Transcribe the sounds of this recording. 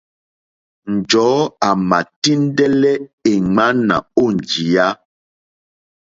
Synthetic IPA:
n˨d͡ʒɔ˨˦a˨ma˨ti˦n˦dɛ˦lɛ˦e˨ŋa˦na̰˨o˦˨n˨d͡ʒi˨ja˦

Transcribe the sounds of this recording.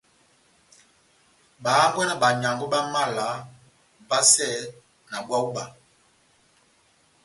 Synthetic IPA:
ba˨˦ŋ˦ɡwɛ˦na˦ba˨ɲa˨ŋɡu˦ɓa˦ma˦˨la˨˦ | ba˦sɛ˦ | na˨bwa˦u˦ba˨

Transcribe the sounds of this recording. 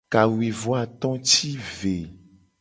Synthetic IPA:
ka˨wi˨vɔ˦a˨t̪ɔ̃˦t͡ʃi˦ve˨

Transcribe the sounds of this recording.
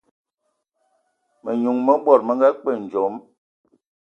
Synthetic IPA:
mə˨ɲu˨ŋmə˦bwɔ˦˨ɾmə˨˦ŋɡa˦k͡pə˦˨n̩˨d͡ʒɔ˨˦m

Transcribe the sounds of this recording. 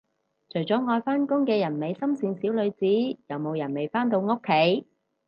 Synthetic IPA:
t͡ʃʰɵ˨˩jt͡sɔː˨˥ŋɔː˧jfaː˥nkʊ˥ŋkɛː˧jɐ˨˩nme˨jsɐ˥msiː˨˧nsiː˨˥wlɵ˨˧ɥt͡siː˨˥jɐ˨˧wmo˨˧wjɐ˨˩nme˨˩jfaː˥nt̪̬o˧wŋo˥kʰːe˨˥j

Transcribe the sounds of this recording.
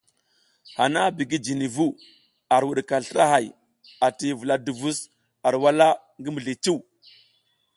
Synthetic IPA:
ha˨na˦bi˨ɡi˦d͡ʒi˨ni˨vu˦ | a˨ɾwu˨ɗka˨ɬə˦ɾa˦ɦa˨j | a˨ti˨vu˨la˨du˨vu˦s | a˨ɾwa˦la˦ | ŋɡi˦mu˨ɮi˨t͡ʃi˦w

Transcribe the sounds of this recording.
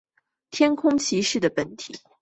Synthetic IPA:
t̪ʰjɛ˥nkʰʊ˥ŋt͡ɕʰi˧˥ʂɻ̩˥˩d̪ə˩pə˧˥nt̪ʰḭ˨˩˦

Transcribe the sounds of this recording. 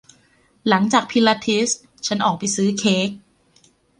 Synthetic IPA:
la˩˦ŋt͡ɕaː˨˩k̚pʰi˧˦˥la˧˥t̪ʰi˦˥s | t͡ɕʰa˦˥nʔɔː˨˩k̚pa˨jsɯː˦˥kʰeː˦˥k̚

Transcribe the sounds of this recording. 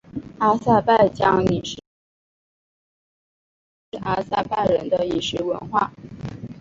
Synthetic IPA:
a˥sa˥˧pa˥˩ɪt͡ɕjɑ˥ŋni˨˩ʂ | a˥sa˥˧pa˥˩ɪɻə˧˥nd̪ə˧i˨˩ʂɻ̩˧˥wə̰˧˥nxwa̰˥˩

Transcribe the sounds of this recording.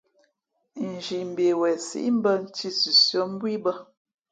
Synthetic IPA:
n̩˨d͡ʒi˨m̩˨be˨wɛ˨sḭ˦m̩˦bə˦n̩˦ti˦si˨sjɔ˨˦m̩˦bwi˦bə˦

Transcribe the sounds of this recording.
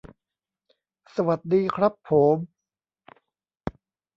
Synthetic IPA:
sa˧wa˨˩t̪̚diː˧kʰɾa˦˥pʰːo˩˦m

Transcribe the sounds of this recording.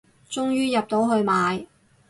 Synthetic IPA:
t͡ʃʊ˥ŋjyː˥jɐ˨p̚t̪o˨˥wɦɵ˧ɥmaː˨˧j

